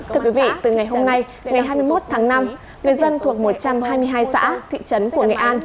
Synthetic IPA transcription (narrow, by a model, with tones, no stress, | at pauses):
t̪ʰɨ˧əkwi˨˦vḭ˧˨t̪ɨ˨˩ŋa˨˩jɦo˧mna˧j | ŋa˨˩jɦaː˧jmɨ˧əjmo˦˥t̚t̪ʰaː˨˦ŋna˧m | ŋɨ˨˩əjzə˧nt̪ʰu˨˩ək̚mo˨˩t̚t͡ɕa˧mhaː˧jmɨ˧əjɦaː˧jsa̰ː˧˥t̪ʰḭ˧˨t͡ɕə˨˦nku˧˩əŋḛ˨˩ʔaː˧n